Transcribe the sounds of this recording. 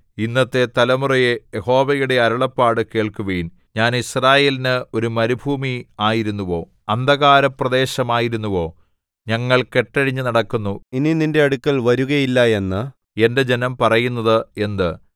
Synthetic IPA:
inːɐt̪ːe̞t̪ɐlɐmurɐje̞jeho̞ːʋɐjuɽe̞ɐɾɐɭɐpːaːɽɨke̞ːɭkuʋɐjun | ɲaːnisraːje̞ːlinɨo̞ɾumɐɾibʱuːmiaːjiɾunːuʋo̞ː | ɐnd̪ʱɐɣaːɾɐprɐðe̞ːɕɐmaːjiɾunːuʋo̞ː | ɲɐŋːɐɭke̞ʈːɐɻiɲːɨnɐɽɐkːunːuinininde̞ɐɽukːɐɭʋɐɾuɣɐjilːɐe̞nːɨ | e̞nde̞d͡ʑe̞nɐmpɐrɐjunːɐðɨe̞nd̪ɨ

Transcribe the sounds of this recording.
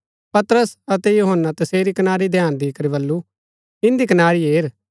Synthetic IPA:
pɐt̪ɾəsɐt̪ejuːɦənːat̪ɐseːɾikɐnaːɾid̪ʱjaːnd̪iːkəɾibɐlːu | ɪ̃nd̪ikɐnaːɾiɦeːɾ

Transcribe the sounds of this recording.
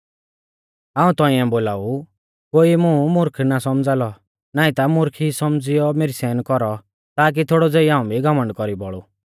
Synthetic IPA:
aːũt̪ɔ̃ĩɛ̃boːlaːu | koːimũmʊɾkʰnasɔmd͡zaːlɔ | naːĩt̪amʊɾkʰisɔmd͡zɪjɔmeːɾisɛːnkɔɾɔ | t̪aːk̬it̪ʰoːɽɔd͡zeːiãːũbʱiɡɔmə̃ɳɖkɔɾibɔɭu

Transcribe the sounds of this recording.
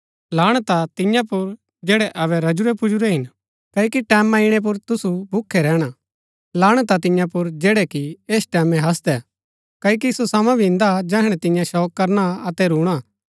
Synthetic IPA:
laːɽ̃t̪at̪ɪ̃jãpʊɾ | d͡ʒɛːɽɛʔɐβɛɾɐd͡ʒʊɾɛpʊd͡ʒʊɾɛɦɪn | kɐːjokiʈɛːmãɪɽ̃ɛp̬ʊɾt̪ʊsubʱʊkʰːɛɾɛːɽ̃a | laːɽ̃t̪at̪ɪ̃jãpʊɾd͡ʒeːɽɛkieːsʈɛːmɛ̃ɦɐs̬d̪ɛ | kɐːjok̬isosamãbʱiɪ̃nd̪ad͡ʒɛːɦɽ̃ɛt̪ɪ̃jãʃɔːkːɐɾnaɐt̪ɛɾuːɽ̃a

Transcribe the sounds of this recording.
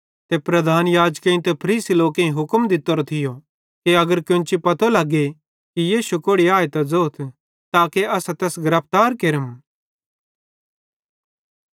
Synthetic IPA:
t̪epɾɐd̪ʱaːnjaːd͡ʒkẽĩt̪ɛpʰɐɾiːsiloːkẽĩɦʊkmd̪ɪt̪ːoɾot̪ʰɪjo | kiɐɡəɾkʊ̃nt͡ʃipɐt̪ʰolɐɡːe | kijiːʃukoːɽiaːet̪ɐd͡zoːt̪ʰ | t̪aːkeɐsat̪ɛːsɡɐɾəp̚ʰt̪aːɾkeɾəm

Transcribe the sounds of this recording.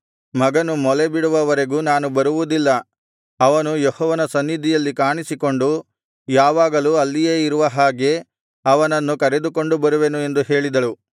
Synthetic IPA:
mɐɡɐnumɔlebiɽuʋɐʋɐɾe̞ɡuːnaːnubɐɾuʋud̪ilːɐ | ɐʋɐnujehɔːʋɐnɐsɐnːid̪ʱijɐlːikaːɳisiko̞ɳɖu | jaːʋaːɡɐluːɐlːijeːiɾuʋɐɦaːɡe̞ | ɐʋɐnɐnːukɐɾe̞d̪uko̞ɳɖubɐɾuʋe̞nue̞nd̪uɦe̞ːɭid̪ɐlu

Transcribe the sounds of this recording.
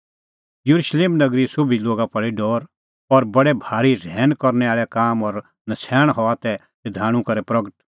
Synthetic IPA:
jɐɾuʃleːmnɐɡɾisʊbʱiloːɡapɐɭiɖɔːɾ | ɔɾbɐɽɛbʱaːɾiɾʱɛːnkɔɾnɛaːɭɛkaːmɔɾ | nɐsʰɛːɽ̃ɦɔat̪ɛ | ɐd̪ʱaːɽ̃ũkɐɾɛpɾɐɡəʈ

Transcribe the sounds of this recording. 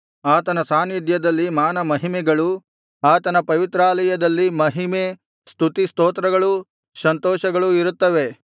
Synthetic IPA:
aːt̪ɐnɐsaːnid̪jɐd̪ɐlːimaːnɐmɐɦimɛɡɐɭu | aːt̪ɐnɐpɐʋit̪ɾaːlɐjɐd̪ɐlːimɐɦime | st̪ʰut̪ist̪oːt̪ɾɐɡɐɭu | sɐnt̪ɔːʃɐɡɐɭuiɾut̪ːɐʋe

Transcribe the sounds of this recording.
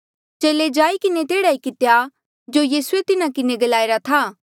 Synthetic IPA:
t͡ʃeːled͡ʒaːikɪnet̪eːɽaikɪt̪eja | d͡ʒoːjiːsʊet̪ɪnakɪneɡɐlaːeɾat̪ʰaː

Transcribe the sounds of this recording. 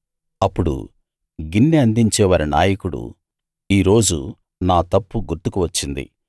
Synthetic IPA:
ɐpːuɽṵ | ɡinːiɐnd̪iɲt͡ʃɛːʋaːɾina̰ːjɐkuɽṵ | iːɾo̞ːd͡ʒu | naːt̪ɐpːuɡuɾt̪ukuʋɐt͡ʃːind̪ḭ

